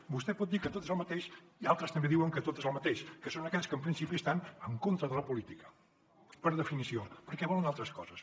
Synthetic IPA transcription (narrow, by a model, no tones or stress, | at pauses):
bust̪ɛpɔt̪̚d̪ikət̪ot̪zəlˠmət̪eʃ | ialˠt̪ɾəst̪əmbeðiwəŋkət̪ot̪əzəlˠmət̪eʃkəsonəkɛʎʲskəmpɾinsipiəst̪anəŋkont̪ɾəðələpulit̪ikə̥ | pəɾðəfinisiopəɾkɛβɔlənalˠt̪ɾəskɔzəs